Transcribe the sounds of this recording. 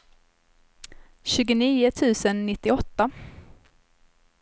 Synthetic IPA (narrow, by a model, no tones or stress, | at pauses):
ɕʉ̟ːɡʊniːʊt̪ʰʉ̟ːsənːɪt̪ːɪɔt̪ːa